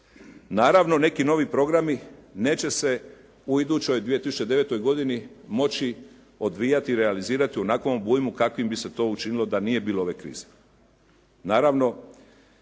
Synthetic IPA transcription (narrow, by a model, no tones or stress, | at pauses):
naːɾaʋno̞ne̞kino̞ʋipɾo̞ɡɾamine̞ːt͡ɕe̞se̞ | uid̪ut͡ɕo̞jd̪ʋije̞t̪isu̥t͡ʃe̞d̪e̞ʋe̞t̪o̞jɡo̞d̪inimo̞t͡ɕi | o̞d̪ʋijat̪iːɾealiziːɾat̪iuonakombuːjmukakʋimbise̞t̪o̞ːut͡ʃinilo̞d̪anije̞biːloo̞ʋe̞kɾḭːz̥e | naːɾaʋno̞